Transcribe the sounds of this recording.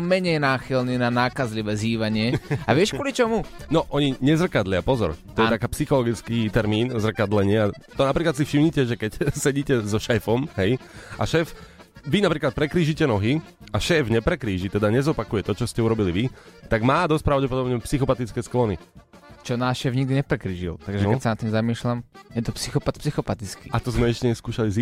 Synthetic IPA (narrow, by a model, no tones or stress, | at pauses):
mɛɲɛjnaːxilniːnanaːkazliʋɛːziːʋaɲɪɛaʋɪɛʃkʊɔlit͡ʃɔmunɔʔɔɲiɲɛzr̩kad̪lɪapɔzɔ̰ɾt̪ɔjɛt̪akaːpsixɔlɔɡit͡skiːt̪ɛɾmiːnzr̩kad̪lɛɲɪɛat̪ɔnapɾiːklat̪sifʃimɲicɛʒɛkɛcsɛɟiːcɛzɔʃɛfɔmɦɛja̰ʃɛːf | ʋinapɾiːklat̪̚pɾɛkɾiːʒicɛnɔɦiaʃɛːfɲɛpɾɛkɾiːʒit̪ɛd̪aɲɛzɔpakujɛt̪ɔt͡ʃɔscɛuɾɔbiliʋit̪aɡmaːd̪ɔsc̚pɾaʊɟɛpɔd̪ɔbɲɛpsixɔpat̪it͡skɛːsklɔnḭ | t͡ʃɔnaːʃɛːvɲiɡ̚d̪iɲɛpɾɛkɾiːʒḭlt̪aɡʒɛɛtsanat̪ːiːmzamiːʃlamjɛt̪̬ɔpsixɔpat̪̚psixɔpat̪it͡skḭat̪ɔzmɛɛʃcɛɲɛskuːʃaliz